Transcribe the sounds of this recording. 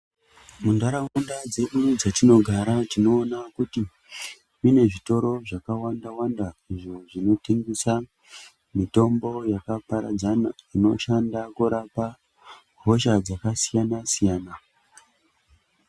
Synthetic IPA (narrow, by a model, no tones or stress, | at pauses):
mundaɾaundad͡ze̞ɗud͡zatino̞ɡʱaɾatino̞ːnakuti | mine̞ʐito̞ɾo̞ʐakawandawandaiʐo̞ʐino̞teŋɡisa | mito̞mbo̞jakapaɾa̰d͡zanaino̞̰ʃandakuɾapa | ɦo̞ʃad͡zakasijanasijaːna